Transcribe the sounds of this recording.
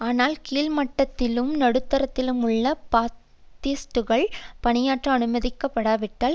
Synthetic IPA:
aːnaːlkiːlmɐʈːɐt̪ːɪlɯmnɐɽɯt̪ːɐɾɐt̪ːɪlɯmʊɭːɐpaː | t̪iːsʈɯɣɐɭpɐnɪjaːʈrɐɐnɯmɐðɪkːɐpːɐɽaːʋɪʈːaːl

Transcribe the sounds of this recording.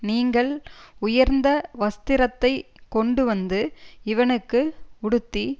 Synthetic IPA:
niːŋɡɐɭʊjɐɾnd̪ɐʋɐst̪ɪɾɐt̪ːɐɪ | kːɔɳɖɯʋɐnd̪ɯɪʋɐnɯkːɯʊɽɯt̪ːi

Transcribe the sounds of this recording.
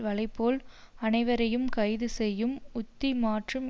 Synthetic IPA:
ʋɐlɐɪpːoːl | ɐnɐɪʋɐɾɐjɯmkɐɪðɯsɛjːɯmʊt̪ːimaːʈrɯm

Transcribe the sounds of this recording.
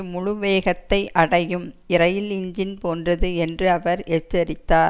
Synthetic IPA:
mʊɻʊʋeːɣɐt̪ːɐɪʔɐɽɐjɯmɪɾɐjɪlɪɲd͡ʒɪnpoːndrɐðɯɛndrɯɐʋɐɾeːt͡ʃːɐɾɪt̪ːaːɾ

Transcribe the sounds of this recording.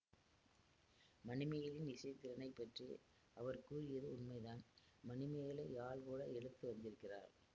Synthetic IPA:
mɐnɪmɐjɐlɪnɪt͡ʃɐɪt̪ːɪɾɐnɐɪpːɐʈri | ɐʋɐɾkuːɛðɯʊnmɐɪðaːn | mɐnɪmɐjɐlɐɪaːɭkuːɽɐɛɻɯt̪ːɯʋɐnd̪ɪɾɯkːɪra̰ːɾ

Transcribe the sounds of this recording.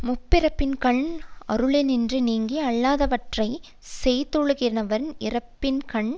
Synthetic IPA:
mʊpːɪɾɐpːɪnkɐɳɐ̰ɾɯɭɛnɪndrɯniːŋɡiɐɭːaːðɐʋɐʈrɐɪ | sɛjt̪ːɔɻɯɣɪɐnɐʋɐɾɪrɐpːɪnkɐɳ

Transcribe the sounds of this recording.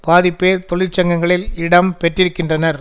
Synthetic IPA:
paːðɪpːeːɾt̪ɔɭɪɾt͡ʃːɐŋɡɐŋɡɐɭɪlɪɽɐmpɛʈrɪɾɯkːɪndrɐnɐɾ

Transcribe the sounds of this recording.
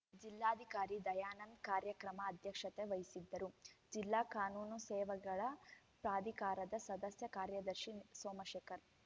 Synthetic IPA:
d͡ʒilːaːd̪ʱikaːɾid̪ɐjaːnɐnkaːɾjɐkɾɐmɐːd̪ʱjɐkʂɐt̪eʋɐjisid̪ːɐɾud͡ʒilːaːkaːnuːnusɛːʋɐɡɐɭɐ | pɾaːd̪ʱikaːɾɐd̪ɐsɐd̪ɐsjɐkaːɾjɐd̪ɐɾʃinsoːmɐʃeːkɐɾ

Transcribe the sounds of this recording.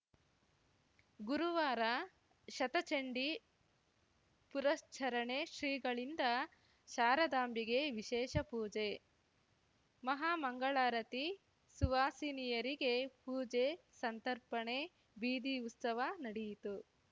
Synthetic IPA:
ɡuɾuʋaːɾɐ | ʃɐt̪ɐt͡ʃeɳɖi | puɾɐst͡ʃʰɐɾɐɳe̞ʃɾiːɡɐɭind̪ɐ | ʃaːɾɐd̪aːmbiɡe̞ʋiʃɛːʃɐpuːd͡ʒe | mɐɦaːmɐŋɡɐɭaːɾɐt̪i | suʋaːsiːnijɐɾiɡe̞puːd͡ʒe | sɐnt̪ɐɾpɐɳe̞ | biːd̪iut̪sɐʋanɐɽijit̪u

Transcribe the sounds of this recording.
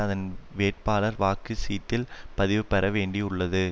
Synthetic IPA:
ɐðɐnʋeːʈ̚paːlɐɾʋaːkːɯsiːt̪ːɪlpɐðɪʋɯpɛɾɐʋeːɳɖiʊɭːɐðɯ

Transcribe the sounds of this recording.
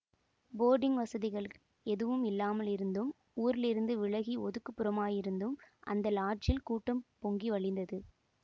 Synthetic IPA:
boːɾɖɪŋʋɐsɐðɪɣɐɭ | ɛðɯʋɯmɪlːaːmɐlɪɾɯnd̪ɯm | uːɾɪlɪɾɯnd̪ɯʋɪɭɐɣiɔðɯkːɯpːɯɾɐmaːjɪɾɯnd̪ɯmʔɐ̰nd̪ɐlaːʈ̚t͡ʃɪlkuːʈːɐmpɔŋɡiʋɐɭɪnd̪ɐðɯ

